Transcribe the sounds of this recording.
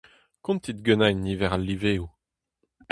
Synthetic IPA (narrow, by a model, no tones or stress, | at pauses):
kɔ̃nt̪id̪ɡønajnːivɛʁalːiveːu